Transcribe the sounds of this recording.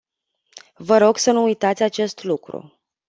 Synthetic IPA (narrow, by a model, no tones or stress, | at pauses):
vəɾo̞ɡsənuːjt̪at̪sʲat͡ʃe̞st̪lukɾṵ